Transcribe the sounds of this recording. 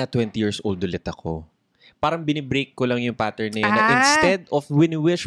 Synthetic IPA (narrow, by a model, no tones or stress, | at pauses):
ɐt̪wɛnt̪ɪjiɹsʔold̪ʊlɪt̪ɐkʰo̰ | paːɾɐŋbɪnɪbɾejkːolɐŋjʊŋpaːt̪ɛɹnɐjoɐʔɪ̃nst̪ɛd̪ɔfwɪnwɪʃ